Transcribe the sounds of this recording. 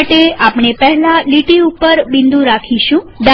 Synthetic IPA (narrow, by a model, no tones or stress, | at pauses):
ʈeapɳepɛɦɛlãliʈiupəɾbind̪ũɾakʰiʃũ | d̪a